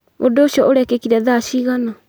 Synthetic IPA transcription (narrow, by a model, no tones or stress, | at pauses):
ondoːɕijɔoɾɛkekiɾɛðaʃiɣana